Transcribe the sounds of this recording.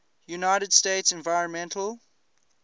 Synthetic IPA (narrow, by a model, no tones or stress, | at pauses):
junaɪɾəd̥steɪtsɛ̃nvaɪɹə̃nmɛ̃ntʰəlˠ